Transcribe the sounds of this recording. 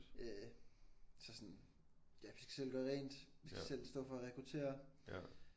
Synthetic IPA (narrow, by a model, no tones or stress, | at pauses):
ø | sɒ̽sɒ̽n | jæʋisɡ̥æ̥sel̰ɡ̥ɶɐʁɛ̰ːnd̥ʋisɡ̥æsel̰sd̥ɔ̰̽ːfɒ̽ʁɛkʰʁut͡sʰe̝̰ːɐ